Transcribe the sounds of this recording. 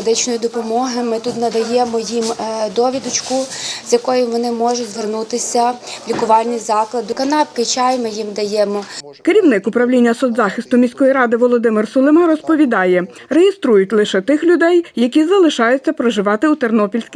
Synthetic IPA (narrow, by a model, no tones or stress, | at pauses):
d̪ɪt͡ʃnɔjʊd̪ɔpɔmɔɦɪmɪt̪ut̪nɐd̪ɐjɛmɔjimd̪ɔʋʲid̪ʊt͡ʃkʊzʲjɐkɔjʊʋɔnɪmɔʒʊtʲzʋernut̪ɪsʲɐlʲikʊʋɑlʲnʲizɑklˠɐd̪ʊkɐnɑpkɪt͡ʃɑjmɪjimd̪ɐjɛmɔ | kɪɾʲiwnɪkʊpɾɐwlʲinʲːɐsɔd̪zɑxɪst̪ʊmʲisʲkɔjiɾɑd̪ɪʋɔlˠɔd̪ɪmɪrsɔlˠɪmɐɾɔspɔʋʲid̪ɑjɛ | rejest̪ɾujʊtʲlˠɪʃɛt̪ɪxlʲʊd̪ɛjːɐkʲizɐlˠɪʃɑjʊt͡sʲːɐpɾɔʒɪʋɑt̪ɪut̪ernɔpʲilʲsʲkʲ